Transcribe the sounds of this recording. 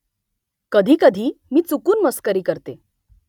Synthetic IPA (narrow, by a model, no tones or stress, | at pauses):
kəd̪ʱiːkəd̪ʱiːmiːt͡sukuːnməskəɾiːkəɾt̪e